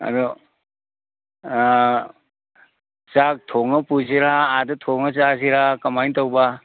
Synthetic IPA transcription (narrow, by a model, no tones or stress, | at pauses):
a̰du | t͡ʃak̚tʰɔŋɐpuziɾaːdɯtʰɔŋɐt͡ʃaziɾakɐmajntawba